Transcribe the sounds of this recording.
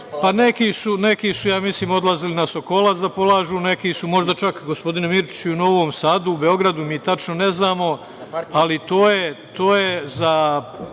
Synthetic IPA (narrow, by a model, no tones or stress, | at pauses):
pane̞kiːsune̞kiːsujaːmisliːmo̞d̪lˠazilinasoko̞lˠatsd̪apo̞lˠaːʒuːne̞kiːsumo̞ʒd̪at͡ʃakɡo̞spo̞d̪inemiɾt͡ʃi̥t͡ɕiuno̞ʋoːmsaːd̪uːbe̞o̞ɡɾad̪umiːt̪at͡ʃnone̞znaːmo̞ | alit̪oːjet̪oːje̞za